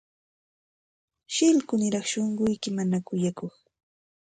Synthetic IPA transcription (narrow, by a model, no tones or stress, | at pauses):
ʃɪlkʊnɪɾɑχʃoɴɢʊjkɪmanakʊjakoχ